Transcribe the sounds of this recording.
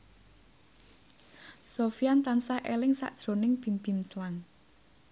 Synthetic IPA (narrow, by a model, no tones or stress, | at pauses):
sofiant̪ansaʔelɪŋsa̰ʔd̥ʒ̥ɾo̤nɪŋb̥i̤mpi̤mslaŋ